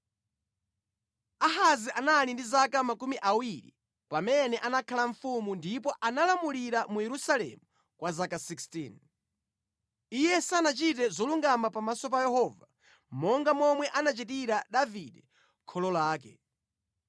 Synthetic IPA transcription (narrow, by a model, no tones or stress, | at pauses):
aɦaziʔanalindizakamakumiʔawiɾḭ | pamɛnɛʔanakʰalaɱ̩fumundipɔʔanalamuliɾamujɛɾusalɛ̰mu | kwazakasikstin | ijɛsanat͡ʃit̬ɛzɔluŋɡamapamasɔp̬ajɛhɔːva | mɔŋɡamɔmwɛʔanat͡ʃit̬iɾaɗaviɗɛ | kʰɔlɔlaːkɛ